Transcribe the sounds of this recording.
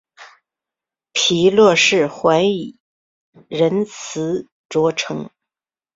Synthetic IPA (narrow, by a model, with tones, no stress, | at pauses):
pʰi˧˥lwɔ˥˧ʂɻ̩˥˩xwa˧˥ɪi˨˩ | ɻə˧˥nt͡s̩ʰ˧˥ | ʈ͡ʂwɔ˧˥ʈ͡ʂʰɤ˧˥ŋ